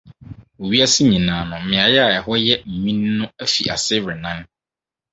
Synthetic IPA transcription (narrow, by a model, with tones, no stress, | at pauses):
o˨ɥi˦a˦sɪ˦ɲĩ˨nãː˨nʊ̃˨m̩˨mɪ̃˨a˨jɛ˦a˨ɛ˨ɦɔ˦jɛ˦m̩˨mĩ˦n˦nʊ̃˦æ˦fḭ˨ʔa˨sɪ˦ɾɪ˨nã˦n